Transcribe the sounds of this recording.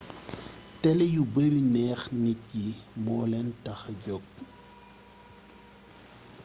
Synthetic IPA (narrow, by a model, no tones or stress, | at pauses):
tɛlɛjubəɾinɛːxnit̚jimɔːlɛntɐxɟɔk̚